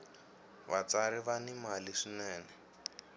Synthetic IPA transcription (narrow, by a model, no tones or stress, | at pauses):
βa̰t͡saɾiβanimaliʂinɛːnɛ